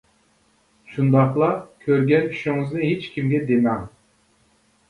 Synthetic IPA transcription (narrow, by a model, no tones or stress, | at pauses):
ʃund̪ɑχlˠɑkʲʰøɾɡʲɛnyʃiŋɨznɨɦet͡ʃkʲʰimɡʲɛd̪emɑŋ